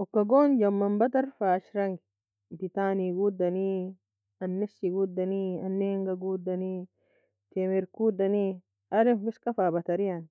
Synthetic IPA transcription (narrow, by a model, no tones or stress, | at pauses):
ɔkːɐɡoːnd͡ʒɐmːɐmbɐt̪ɐɾfaːʃɾɐŋɡ | d̪it̪aːniɡud̪ːɐni | ɐnːɛsːiɡud̪ːɐniɐnːeːŋɡɐɡuːd̪ːɐniː | t̪emɛɾkuːd̪ɐni | ʔɐɾɛmfɪskʼɐfaːbɐt̪ɐɾɪjɐn